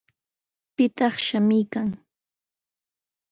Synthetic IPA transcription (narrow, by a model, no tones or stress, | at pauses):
pɪt̪ɑχʃamɪjkaŋ